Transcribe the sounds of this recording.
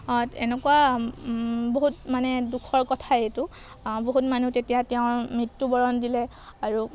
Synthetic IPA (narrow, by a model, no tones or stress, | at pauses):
ɔtɛnɛkuwa | boɦutmanɛdukʰɔɹkɔtʰaetu | boɦutmanutetijatɛʊ̃mɹitːubɔɹɔndilɛ | aɹu